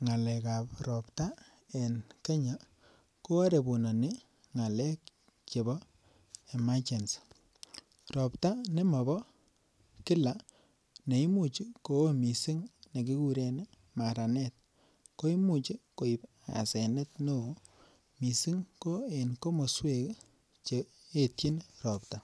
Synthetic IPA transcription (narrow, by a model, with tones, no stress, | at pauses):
ŋa˨lɛ˨ka˨prɔ˨pta˦ | e˨nke˦ɲa˨ | ko˦a˦ɾe˨bu˨na˨nɪ˦ | ŋa˨lɛ˦k | t͡ʃe˨bɔ˦ | e˨ma˦t͡ʃe˨ns | rɔ˨pta˦ne˦ma˨bɔ˦ | kɪ˦la˨ | ne˨i˦mu˦˨t͡ʃi˦ko˨˦mi˨sɪ˦ŋne˨ki˦ku˦ɾe˨ni˦ | ma˨ɾa˨nɛ˦t̪̚ | ko˦i˦mu˨t͡ʃi˦ko˨i˨p | a̰˨sɛ˨ne˦t̪no˦˨ | mi˨sɪ˦ŋko˦e˨nko˦mo˨swe˦k | t͡ʃe˨ | e˦˨tji˦nrɔ˨pta˨